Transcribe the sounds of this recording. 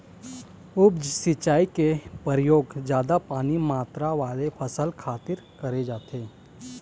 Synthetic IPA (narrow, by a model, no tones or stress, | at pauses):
ʊbd͡ʒsit͡ʃaːikepəɾjoːɡd͡ʒjaːd̪apaːnimaːt̪ɾaʋaːlepʰəsəlkʰaːt̪ɪɾkɐɾed͡ʒaːt̪eː